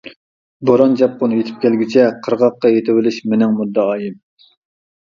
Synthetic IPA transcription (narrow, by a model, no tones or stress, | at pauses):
bɑɾɑnd͡ʒɑp̚qonɨjet̪ʰɪ̥p̚kʲʰɛlɡʲit͡ʃʰɛqʰəɾʁɑqːɑjet̪ʰɪwɪlɪʃmɪnɪŋmud̪ːɑɑːjɪm